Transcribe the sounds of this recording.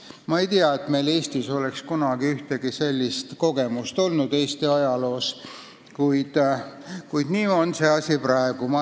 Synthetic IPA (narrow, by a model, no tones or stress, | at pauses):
mɑe̞jt̪iɑet̪ˑme̞jle̞ːst̪iso̞le̞kskunɑɡ̥iyht̪e̞ɡ̥ise̞lʲːist̪ko̞ɡe̞must̪o̞lnud̪̥e̞ːst̪iɑjɑlo̞ːs | kujd̪̥kujd̪̥niːo̞nse̞ɑsʲiprɑe̞ɡ̥umɑ